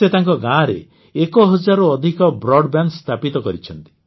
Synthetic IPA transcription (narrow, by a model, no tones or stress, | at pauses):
et̪aŋkɔɡãɾḛ | ekɔɦɔd͡ʒaɾɔɔd̪ʱikɔbɾɔɖbanst̪ʰapit̪ɔkɔɾit͡ʃʰɔnt̪i̥